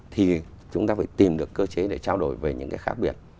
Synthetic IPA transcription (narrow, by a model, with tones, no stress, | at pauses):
t̪ʰi˨˩ | t͡ɕʊ˨˦ŋ͡mt̪aː˧faː˧˩jt̪i˨˩mɗɨ˨˩əkːəː˧t͡ɕe˨˦ɗe˧˩t͡ɕaː˧wɗo˧˩jve˨˩ɲɨ̰˧˥ŋkaː˨˦jxaː˦˥k̚ɓi˧˩ət̚